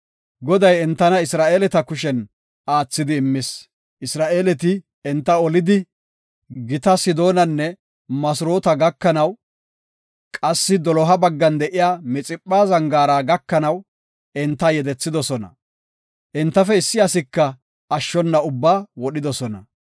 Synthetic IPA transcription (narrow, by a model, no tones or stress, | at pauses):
ɡɔd̪ɐjɛnt̪ːɐnɐɪsɾaːʔeːlɛt̪ɐkʊʃɛn | aːt͡sːɪd̪ɪːmːɪs | ʔɪsɾaːʔeːlɛt̪̬ɪ | ɛnt̪ːɐɔlɪd̪ɪ | ɡɪt̪ɐsɪd̪o̞ːnɐnːɛ | mɐsʊɾo̞ːt̪ɐɡɐkːɐnɐw | kʼɐsːɪd̪ɔlɔɦɐbɐɡːɐnd̪ɛʔɪjaːmɪt͡sʼɪpʼːaːzɐŋɡaːɾaːɡɐkːɐnɐw | ɛnt̪ːɐjɛd̪ɛt͡sːɪd̪ɔsɔnɐ̰ | ʔɛnt̪ːɐfɛɪsːɪɐsɪkːɐː | ʃːɔnːɐʊbːaːwɔɗɪd̪ɔsɔnɐ̰